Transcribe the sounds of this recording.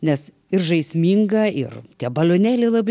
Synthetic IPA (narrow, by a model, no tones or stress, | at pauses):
nʲɛs | ɪrʒɐɪsʲmʲiːŋɡɐɪ̰rt̪ʲiɛbɐlʲoːnʲæːlʲeɪlˠɐb